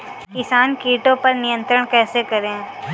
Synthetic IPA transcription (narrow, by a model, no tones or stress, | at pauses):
kɪsaːnkiːʈõpɐɾnɪjə̃nt̪ɾəɽ̃kɛːsekɐɾẽː